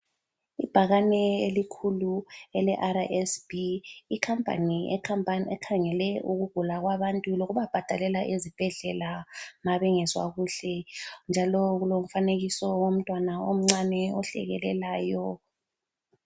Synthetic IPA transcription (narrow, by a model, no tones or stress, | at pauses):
ib̥ʱaɣanɛelikʰuluɛlɛʔaɾaʔɛsb̥iikʰampʼa̰niɛ̰kʰampʼanɛkʰaŋɛlɛʔuɣuɡ̥ʱulaɣwaβantʼuloɣuβab̥ʱad̥ʱalɛlaʔezib̥ʱɛɮɛlamaβɛŋɛswa̰ɣuɬɛnd͡ʒʱalɔɣulom̩faneɣisɔwom̩tʼwanaom̩ŋ͡ǀanɛɔɬɛ̰ɣɛ̰lɛlaːjɔ